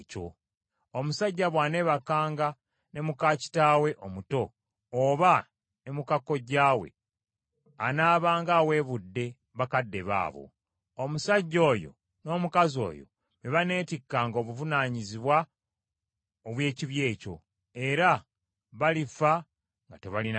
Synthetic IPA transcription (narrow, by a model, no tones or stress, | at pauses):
co̰ | omusaɟːaβwaːne̞βakaːŋɡa | ne̞mukaːci̥taːwe̞ʔomuto̞ː | βa | ne̞mukakːo̞ɟaːwe̞̰ | anaːβaːŋɡaːwe̞ːβudːe̞ | βakadːe̞βa̰ːβo̰ | omusaɟːo̞ːjo̞̰ | no̞ːmukazo̞̰ːjo̰ | βeβane̞ːtikːaːŋɡoːβuvunaːɲiziβwa | oβwe̞ːciβje̞ːco̞̰ | e̞ɾa | βalifa | ŋɡateβalin